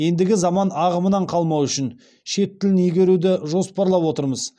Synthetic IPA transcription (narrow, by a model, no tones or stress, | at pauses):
je̞nd̪ɪɡʲɪzɑmɑnɑʁəmənɑɴqʰɑlˠmɑwʏʃɪn | ʃe̞t̪ːɪlɪnʏjɡʲe̞ɾud̪ɪʒo̞spɑɾlˠɑpwo̞t̪əɾməz